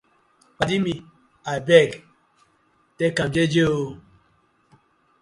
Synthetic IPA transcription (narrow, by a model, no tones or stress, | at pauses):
k͡padimi | abɛɡ | tɛkamd͡ʒed͡ʒeo